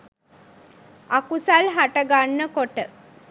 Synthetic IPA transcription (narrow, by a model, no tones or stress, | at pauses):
akusalɦaʈəɡanːəkoʈə